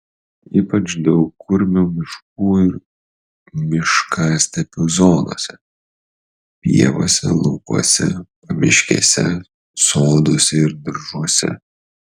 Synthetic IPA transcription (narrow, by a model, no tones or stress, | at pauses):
iːpɐt͡ʃd̪ɐʊkʊɾʲmʲuːmʲɪʃk̚uːɪɾ | mʲɪʃkɑːsʲt̪ʲɛpʲuːzoːd̪o̰ːsʲɛ | pʲḭɛʋo̰ːsʲɛlˠʊkuɔsʲɛ̰pɐmʲɪʃʲkʲḛːsʲɛ̰ | soːd̪ʊsʲɛɪɾd̪ʲɪɾʒuɔsʲɛ̰